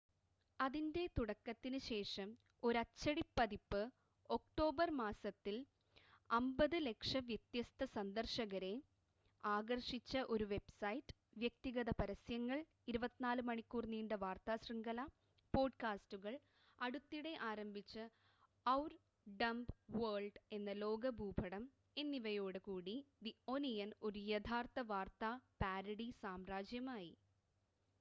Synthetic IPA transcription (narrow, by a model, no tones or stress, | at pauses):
ɐðinde̞t̪uɽɐkːɐt̪ːinɨɕe̞ːʂɐm | o̞ɾɐt͡ɕːɐɽipːɐðipːɨ | o̞kʈo̞ːbɐrmaːsɐt̪ːil | ɐmbɐðɨle̞kʂɐʋjet̪jɐst̪ʰɐsɐnd̪ɐrʂɐɣɐɾe̞ | aːɡɐrʂit͡ɕːɐʔo̞ɾuʋe̞bsɐjtːɨ̥ʋjɐk̚t̪iɣɐðɐpɐɾɐsjɐŋːɐɭ | iɾubɐt̪ːinaːlɨmɐɳikʲːuːrniːɳɖɨʋaːrt̪aːsrɨŋɡɐlɐ | po̞ːɖkaːstuɣɐɭ | ɐɽut̪ːiɽe̞ʔaːɾɐmbʱit͡ɕːɨ | ɐwr | ɖɐmbʋɐrɭɖe̞nːɐlo̞ːɡɐbʱuːbʱɐɽɐm | e̞nːiʋɐjo̞ːɽɨkuːɽid̪ioːnijɐnoɾujed̪ʰʱaːrt̪ɐʋaːrt̪apaːɾɐɽisaːmraːd͡ʑjɐmaːjḭ